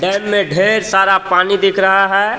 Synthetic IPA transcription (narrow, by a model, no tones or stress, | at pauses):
ɖɛːmːẽɖʱeːɾsaːɾapaːnid̪ɪːkʰɾɐɦaɦɛː